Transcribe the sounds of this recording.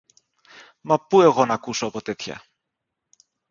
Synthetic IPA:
mɐpue̞ɣo̞nɐkuso̞ɐpo̞t̪e̞t̪çɐ̰

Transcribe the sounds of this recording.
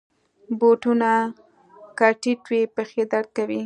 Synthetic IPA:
boʈuna | kaʈiʈwepəxed̪aɽ̚kawi

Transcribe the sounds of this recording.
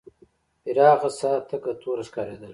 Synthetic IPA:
iɾaːqɐsaːt̪ʰɐkɐt̪ʰuːɾɐskaɾeːd̪ɐl

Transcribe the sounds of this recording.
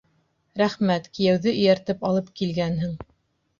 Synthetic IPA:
ɾæχmæt̪kĭjæwðɘʔɵ̆jæɾt̪ɘpɑlˠɤpkilɡænɦɘ̆ŋ

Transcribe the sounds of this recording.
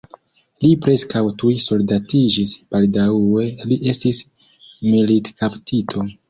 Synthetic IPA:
lipɾe̞skawtujso̞lidatid͡ʒisb̥aldawe̞liʔe̞stis | militkʰaptʰitʰo̞

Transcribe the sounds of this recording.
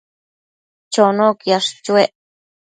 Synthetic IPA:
t͡ʃonõkjaʂt͡ʃueʔ

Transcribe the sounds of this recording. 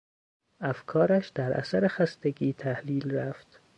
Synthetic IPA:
ʔæfkʰɒːɾæʃd̪̥æɾʔæ̰sæɾexæst̪e̞ɡiːt̪ʰæhliːlræft̪

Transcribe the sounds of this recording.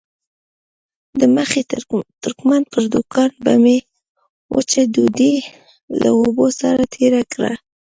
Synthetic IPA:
d̪əməxet̪ʊɾkmand̪̚pəɾd̪ukʰɑnba̰me | wʔə̰t͡ʃed̪ud̪e | la̰obosa̰ɾat̪ʰeɾakɽa̰

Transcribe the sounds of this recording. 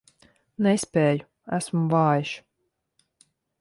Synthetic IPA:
nɛsʲpʲeːju | æsmuvaːjiʃ

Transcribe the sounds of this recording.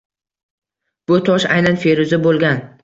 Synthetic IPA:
b̥ʊt̪ʰɒʃa̰jnanfeɾʊzɪbolˠɡʲan

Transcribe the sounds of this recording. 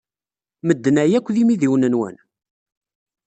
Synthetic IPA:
məd̪ːnæjækʷːðimiðiwnənwə̰n

